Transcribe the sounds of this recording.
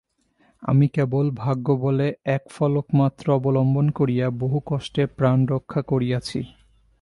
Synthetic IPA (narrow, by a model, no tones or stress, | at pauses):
a̰mikebolbʱaɡːoboleɛkfɔlokmat̪ːɾoɔbolɔmbonkoɾijaboɦukɔʃʈeɾpɾanɾokʰːakoɾijat͡ɕʰḭ